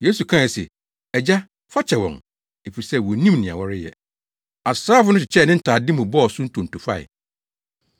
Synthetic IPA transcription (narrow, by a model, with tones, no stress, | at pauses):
je˦su˨kʰã˦˨ɛ˨sɛ̰˨ | ɛ˨d͡ʑa˦ | fa˦t͡ɕʰɛ˨wɔ̰̃˨ŋ | e˨fi˨ɾi˨sɛ˦wɔ˨nĩ˦mnɪ̃˨a̰˨wɔ˦ɾɪ˦jɛ̰˨ | a˨sɾaː˦fʊ˦nʊ̃˦t͡ɕʰɪ˨t͡ɕʰɛ˦˨nɪ̃˦n̩˦tʰaː˨dɪ̃˦mʊ̃˨bɔ˦ɔ˨sʊ̃˦n̩˦tʰũ˨n˨tʰu˨fa̰˦˨ɪ̰˨